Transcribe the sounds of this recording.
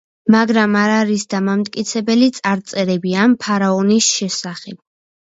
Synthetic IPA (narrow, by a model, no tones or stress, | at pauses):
maɡɾamaɾaɾisd̪amamt̪ʼkʼit̪sʰɛbɛlit̪sʼaɾt̪sʼɛɾɛbiampʰaɾaɔnisʃɛsaχɛb̥̚